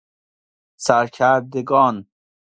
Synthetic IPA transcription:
saɾkʰaɾd̪eɡɔːn

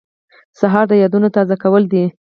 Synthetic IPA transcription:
saɦɑɾd̪əjɑd̪unot̪ɑzakawəld̪i

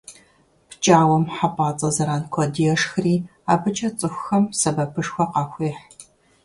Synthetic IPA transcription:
pʰt͡ʃʼaːwɐmħapʼaːt͡sʼɐzɐɾaːnkʷʰɔdijɛʂxɨriːaːbɨt͡ʃʰʼɐt͡sʼɨxʷxɐmsɐbɐpʰɨʂxʷɔqɑxʷeːħ

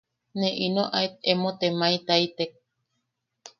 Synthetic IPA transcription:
nẽʔinoʔaet̪̚emot̪emait̪ait̪ek̚

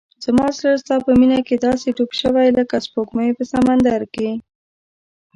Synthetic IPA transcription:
z̥mɑsləst̪ɑpəminaked̪ɑseʈopʃəwajləkaspokmajpəsamand̪aɾke

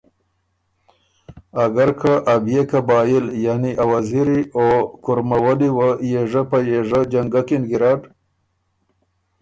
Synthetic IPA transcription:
aɡaɾkʰaʔabjekabɑːjiljaniʔawaziɾiokʊɾmawaliwajeʐapajeʐad͡ʒaŋɡakinɡiɾɑɖ

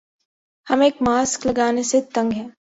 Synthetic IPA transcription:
hɐmeːkmaːsklɐɡaːneset̪ɐ̃ŋɡɦɛ̃ː

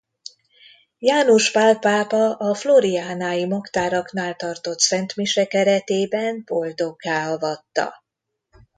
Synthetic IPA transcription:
jaːnoʃpaːlpaːpɒʔɒfloɾiaːnaːjimɒkt̪aːɾɒknaːlt̪ɒrt̪o̞t̪sɛnt̪miʃɛkɛɾɛt̪eːbɛnbo̞ld̪o̞ɡaːɒvɒt̪ːɒ̰

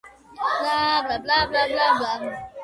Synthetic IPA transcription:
labablablablabaɦʊ

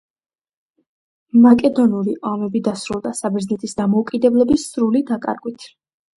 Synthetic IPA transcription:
makʼɛd̪ɔnuliʔamɛbid̪asɾulˠd̪asabɛɾznɛt̪ʰʼisd̪amɔukʼid̪ɛblɛbisɾulid̪akʼa̰ɾɡwit̪ʰ

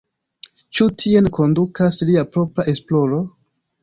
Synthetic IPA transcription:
t͡ʃutʰie̞nko̞ndukasliapɾo̞pɾaʔe̞splo̞ɾo̞

